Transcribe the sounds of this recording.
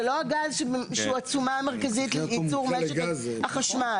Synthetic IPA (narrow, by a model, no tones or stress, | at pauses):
loaɡazʃeʃeuat͡sumaːmeʁkazitjit͡suʁmeʃhaχaʃmal